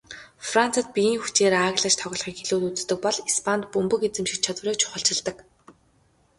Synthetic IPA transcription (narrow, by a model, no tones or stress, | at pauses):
fran̥t͡sə̆t̪̚pijiːŋxut͡ɕeːɾaːɣɮə̆t͡ɕt̪ʰɔɣʲɞ̆ɮχiːkxeɮuːt̪ut͡s̆t̪ɵ̆k̚pɔɮispʰant̪pɵmpɵ̆ket͡sɘ̆mʃĭt͡ɕʰat̪wreːt͡ɕʰʊ̥χə̆ɬt͡ɕɪ̆ɮt̪ə̆k